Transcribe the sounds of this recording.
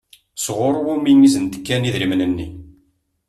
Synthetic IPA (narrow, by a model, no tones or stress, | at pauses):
sʁʊɾˤwuminizənt̪ə̥kːæniðɾimnənːḭ